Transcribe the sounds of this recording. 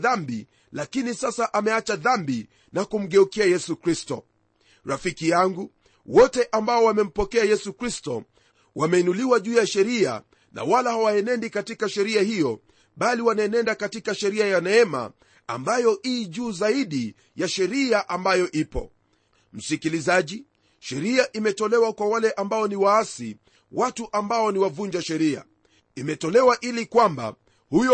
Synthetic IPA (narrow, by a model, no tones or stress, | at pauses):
ðambi | lakinisasaʔamɛat͡ʃaðambi | nakum̩ɠɛukiajɛsukɾistɔ | ɾafikijaŋɡu | wɔtɛʔambaɔwamɛm̩pɔkɛajɛsukɾistɔ | wamɛinuliwaʄuːjaʃɛɾia̰ | na̰walahawaɛnɛndikatikaʃɛɾiahijɔ | ɓaliwanaɛnɛndakatikaʃɛɾiajanɛɛma̰ | a̰mbajɔʔiːʄuːzaiɗi | jaʃɛɾiaʔambajɔʔipɔ̰ | m̩sikilizaʄi | ʃɛɾiaʔimɛtɔlɛwakwawalɛʔambaɔniwaasi | watuʔambaɔniwavuɲd͡ʒaʃɛɾia̰ | imɛtɔlɛwaʔilikwamba̰ | hujɔ